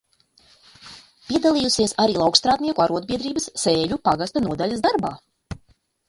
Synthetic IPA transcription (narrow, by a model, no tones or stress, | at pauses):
pʲiɛd̪alˠijusiɛsaɾiːlˠawkst̪ɾaːd̪niɛkuaɾuɔd̪̚bʲiɛd̪ɾiːbɐsːeːʎʲupaɡast̪anuɔd̪alʲasd̪aɾba̰ː